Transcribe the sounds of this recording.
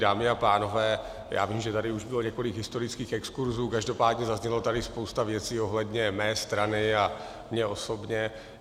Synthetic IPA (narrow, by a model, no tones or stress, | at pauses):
daːmɪapaːno̞vɛː | ja̰ːviːmʒɛt̪adɪuʒbɪlo̞ɲɛko̞lɪɡɦɪst̪o̞ɾɪt͡skiːxɛkskuɾzuːkaʒdo̞paːdɲɛzazɲɛlat̪adɪspo̞wst̪avjɛt͡siːo̞ɦlɛdɲɛmɛːst̪ɾanɪa | mɲɛo̞sobɲɛ